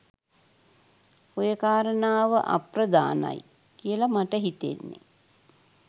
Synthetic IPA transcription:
ojəkaːɾənaːʋəʔa̰prəd̪a̰ːna̰j | kijəlamaʈəɦit̪ḛnːḛ

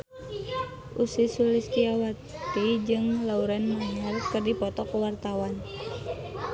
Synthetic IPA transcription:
ʔusisulist̪iawat̪id͡ʒɨŋlauɾanaŋarkɨrdipɔt̪ɔkuwart̪awan

